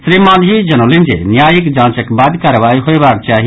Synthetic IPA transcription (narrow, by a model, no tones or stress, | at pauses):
sɾimãːd̪ɦid͡ʒɐnolɪ̃nd͡ʒḛːnjaːjɪkd͡ʒãːt͡ʃəkbaːd̪kaːɾəʋaːiɦoebaːk̚t͡ʃaːɦi